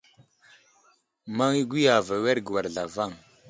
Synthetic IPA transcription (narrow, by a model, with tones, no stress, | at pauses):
ma˦ŋi˦ɡʷi˦ja˨va˨we˦ɾɡə˨wa˨ɾɮa˨va˦˨ŋ